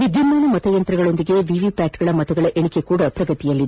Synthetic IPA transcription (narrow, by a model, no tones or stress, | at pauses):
id̪ʱːimaːnɐmɐt̪ɐjɐnt̪ɾɐɡɐɭo̞nd̪iɡe̞ʋiʋipaːʈɡɐɭɐmɐt̪ɐɡɐɭɐʔeɳuke̞kuːɽɐpɾɐɡɐt̪ijɐlːid̪